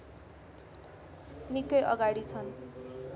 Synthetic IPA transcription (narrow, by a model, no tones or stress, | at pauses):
nikːʌjʔʌ̰ɡaɽit͡sʰʌn